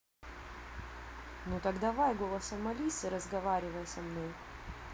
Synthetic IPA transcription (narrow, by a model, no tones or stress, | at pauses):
nut̪ɐɡd̪ɐvajɡolˠɐsɐmɐlʲisɨɾəzɡɐvaɾʲɪvəjɛsɐmnoj